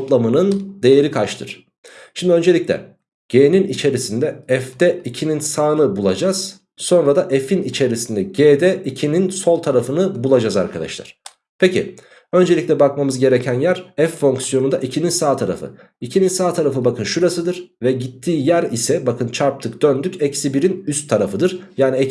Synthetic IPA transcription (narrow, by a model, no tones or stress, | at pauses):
t̪lˠamanɯnd̪e̞jeɾikʰat͡ʃt̪ʰɯ̰ɾ̥ | ʃimd̪iø̞nd͡ʒelʲicʲlʲɛ̰ | ɟ̥eːninit͡ʃʰe̞ɾisind̪ɛɛfd̪ɛicʰininsaːnɯbulˠa̰d͡ʒaz̥ | so̞nɾad̪aʔɛfinit͡ʃʰe̞ɾisind̪ɛɟeːd̪ɛicʰininso̞lˠt̪ʰaɾafɯnɯbulˠad͡ʒaza̰ɾkʰad̪a̰ʃlˠa̰ɾ̥ | pʰecʰḭ | ø̞nd͡ʒelʲiclʲɛbakmamɯzɟe̞ɾecʰænjæɾɛfːo̞ŋksjo̞nund̪aʔicʰininsaːt̪ʰaɾa̰fɯ̰ | icʰininsaːt̪ʰaɾafɯbakɯnʃuɾasɯd̪ɯɾ̥vɛɟit̪ʰːiːjæɾisɛbakʰɯnt͡ʃʰaɾp̚t̪ʰɯk̚d̪̥ønd̪ycɛcsibiɾinyst̪ʰːaɾafɯd̪ɯɾjaːniɛ